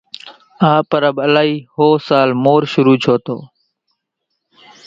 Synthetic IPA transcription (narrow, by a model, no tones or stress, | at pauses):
aːpəɾəbəlaːɦiːhoːsaːlmoːɾʃʊɾuːt͡ʃʰoːt̪o̰ː